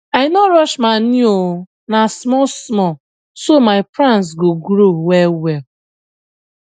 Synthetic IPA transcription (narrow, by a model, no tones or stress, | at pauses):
aɪnɔɾɔʃmanio | nasmɔsmɔ | somaɪpɾãns̬ɡoɡɾowɛwɛl